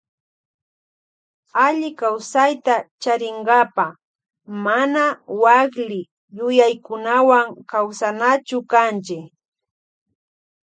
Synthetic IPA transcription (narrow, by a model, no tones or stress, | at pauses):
aʎɪkawsajt̪at͡ʃaɾɪŋɡapa | manawaklɪ | jʊjajkʊnawaŋkawsanat͡ʃʊkant͡ʃɪ